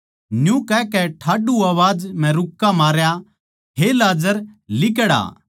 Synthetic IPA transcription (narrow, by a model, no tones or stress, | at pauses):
njũkɛkɛʈʰaːɖuaːʋaːd͡ʒmɛ̃ɾʊkːamaːɾja | ɦelaːd͡ʒəɾlɪkəɽa̰ː